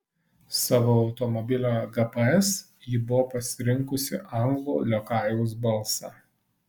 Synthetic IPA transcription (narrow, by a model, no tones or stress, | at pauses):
sɑːʋoːɐʊt̪ɔmɔbʲɪlʲoɡɐpɐɛs | jɪbʊʋoːpɐsʲɪɾʲɪŋˑkʊsʲɪ̰ʔɐˑŋɡlˠṵːlʲokɑˑɪjʊs̬bɐlˠˑsɑ̰